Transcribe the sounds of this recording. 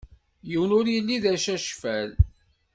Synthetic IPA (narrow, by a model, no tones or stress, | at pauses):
jiwnʊɾjəlːiðæʃæʃfæl